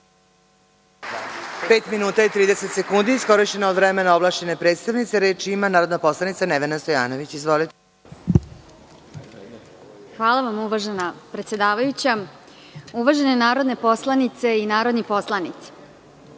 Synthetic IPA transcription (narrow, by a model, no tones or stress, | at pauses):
peːt̪minuːt̪ajet̪ɾiːd̪ese̞t̪se̞kund̪iːsko̞ɾiʃt͡ɕenaod̪ʋɾemenaoblˠaːʃt͡ɕe̞nepɾet̪st̪aʋnit̪seɾeːt͡ʃimanaːɾod̪napo̞slˠanit̪saneʋenast̪o̞ja̰ːnoʋit͡ɕizʋolit̪e | xʋaːlˠaʋamuʋaʒenapɾet̪sjed̪aːʋajut͡ɕa | uʋaʒenenaːɾo̞d̪nepo̞slˠanit̪se̞inaːɾo̞d̪nipo̞slˠanit̪si̥